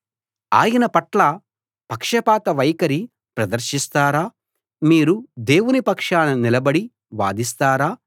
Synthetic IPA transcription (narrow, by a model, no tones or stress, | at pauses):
a̰ːjɐnɐpɐʈlɐ | pɐkʂɐpaːt̪ɐʋɐjkɐɾi | pɾɐd̪ɐɾʃist̪aːɾaː | miːɾud̪e̞ːwunipɐkʂaːnɐnilɐbɐɽi | ʋa̰ːd̪ist̪aːɾaː